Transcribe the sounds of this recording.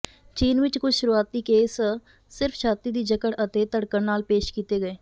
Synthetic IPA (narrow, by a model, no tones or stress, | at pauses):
t͡ʃiːnʋɪt͡ʃkʊt͡ʃʃʊɾuaːt̪ːiːkeːs | sɪɾfʰʃaːt̪iːd̪iːd͡ʒəkəɽət̪eːt̪əɽkənnaːlpeːʃkiːt̪eːɡəeː